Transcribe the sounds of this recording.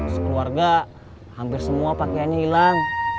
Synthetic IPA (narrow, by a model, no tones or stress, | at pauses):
sə̥kluarɡa | hampɪrsəmuapakeanɲailaŋ